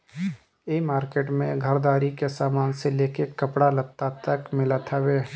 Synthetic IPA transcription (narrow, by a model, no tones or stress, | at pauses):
eːmaːɾkeːʈmẽɡʱɐɾd̪aːɾikesaːmaːnseleːkekɐpɽalɐb̚t̪ːat̪ɐkmɪlat̪ʰaʋeː